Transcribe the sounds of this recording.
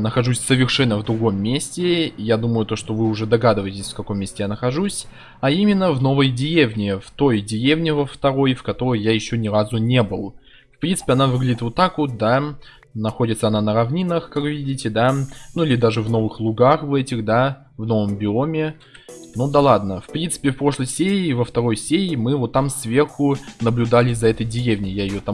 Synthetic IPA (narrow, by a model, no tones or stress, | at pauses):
nəxɐʐusʲsəvʲɪrʂɛnːəvd̪ɾʊɡo̞mːʲesʲtʲɪjad̪uməjʊt̪o̞ʂt̪o̞vɨʊʐɛd̪ɐɡad̪ɨvəjɪtʲɪsʲfkɐko̞mʲːesʲtʲɪjanəxɐʐusʲ | ɐimʲɪnːəvno̞vəjdʲɪjevnʲɪft̪o̞jdʲɪjevnʲɪvəft̪ɐɾo̞jfkɐt̪o̞ɾəjjajɪɕːonʲɪɾazʊnʲe̞bɨlˠ | fpɾʲint̪sɨ̥pʲɪɐnavɨɡlʲɪdʲiɪt̪vot̪ːakʊd̪a | nɐxo̞dʲɪt̪səɐnanəɾɐvnʲinəxkakvvʲidʲɪtʲɪd̪anuilʲɪd̪aʐɨvno̞vɨxlˠʊɡaxvɛtʲɪxd̪a | vno̞vəmbʲɪomʲɪ | nud̪ɐlˠad̪nəfpɾʲint̪sɨ̥pʲɪfpɾo̞ʂlˠəjsʲeɾʲɪːvəft̪ɐɾo̞jsʲeɾʲɪmɨvot̪ːamsvʲe̞rxʊnəblʲʊd̪alʲɪzɐɛt̪əjdʲɪjevnʲɪjajɪjot̪a